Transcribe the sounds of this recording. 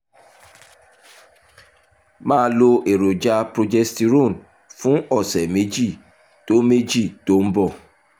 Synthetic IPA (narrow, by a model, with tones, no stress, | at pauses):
mãː˦lo˧ʔe˨ɾo˨d͡ʒa˧pɾo˦d͡ʒɛ˦kti˨ɾo˦˨n˨ | fũ˦ɔ˦˨sɛ˨me˦d͡ʒi˦˨ | to˦me˦d͡ʒi˦˨to˦m̩˦bɔ˦˨